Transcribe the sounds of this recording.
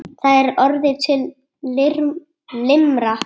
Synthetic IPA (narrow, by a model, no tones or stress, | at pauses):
θaðɛɾɔɾðɪt̪ʰɪlː | ɪɾ | lɪmɾa